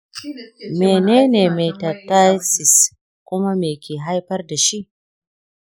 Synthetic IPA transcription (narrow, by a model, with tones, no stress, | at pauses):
meː˨neː˦neː˨me˨jtɐ˨ta˦sɪ˨s | kʷʊ˦ma˦meː˨kʲeː˨ɦa˦jɸɐ˦rda˨ʃi˦ʔ